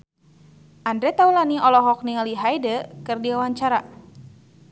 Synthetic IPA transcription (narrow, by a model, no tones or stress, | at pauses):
ʔandɾɛt̪awlaniʔɔlɔɦɔk̚niŋaliɦajdəkɨrdiawaɲt͡ʃaɾa